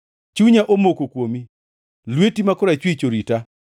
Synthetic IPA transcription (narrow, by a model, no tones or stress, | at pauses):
t͡ʃuɲaʔomokokwomi | lwetimakʊɾat͡ʃwit͡ʃoɾita